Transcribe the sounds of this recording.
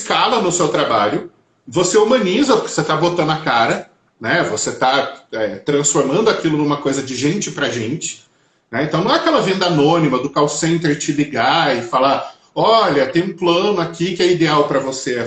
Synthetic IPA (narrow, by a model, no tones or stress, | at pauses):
skalɐnʊsewt̪ɾabaʎʊ | voseumɐ̃nizɐpʊkɪ̥oset̪abot̪ɐ̃nd̪ʊakaɾɐ | nɛvoset̪aɛt̪ɾɐ̃sfoɾmɐ̃nd̪ʊakilʊnũmɐkojzɐd͡ʒɪʒẽnt͡ʃɪpɾɐʒẽnt͡ʃɪ̥ | nɛẽt̪ɐ̃w̃ñw̃ɛakɛlɐvẽnd̪ɐanõnimɐd̪ʊkawsẽnt̪eɾt͡ʃɪliɡaɪfala | ɔʎɐt̪ẽj̃ũplɐ̃nʊakʰʲikɪɛid̪eawpɾɐvose